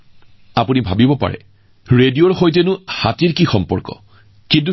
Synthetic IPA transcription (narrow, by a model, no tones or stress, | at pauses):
apunibʱabibɔpa̰ɹɛ̰ | ɹedioɹxojt̬ɛnʊhatiɹkixɔmpɔ̰ɹkɔ̰ | kint̬u